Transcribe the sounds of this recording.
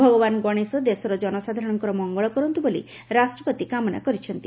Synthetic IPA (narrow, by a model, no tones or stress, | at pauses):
bʱɔɡɔbanɡɔɽ̃esɔd̪esɔɾɔd͡ʒɔnɔsad̪ʱaɾɔɽ̃ɔŋkɔɾɔmɔŋɡɔɭɔkɔɾɔnt̪ubolḭ | ɾasʈɾɔpɔt̪ikamɔna̰kɔɾit͡ʃʰɔnt̪i